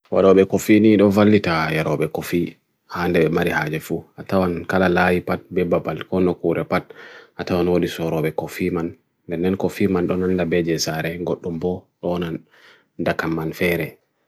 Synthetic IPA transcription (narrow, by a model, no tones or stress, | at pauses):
wa̰ɗɔɓɛkofiniɗɔvalːitajaɾɔɓɛkofi | handɛɓɛmaɾihaːd͡ʒɛfuatawankalalajipat̚bɛbabalkɔnːɔkuɾʔɛpat̚ʔatawanwoɗisɔɾɔɓɛkofimanː | bɛnːɛnkofimanɗɔnandabɛd͡ʒɛsaɾɛɡoɗːumbɔɗɔnan | ndakamːanfɛɾɛ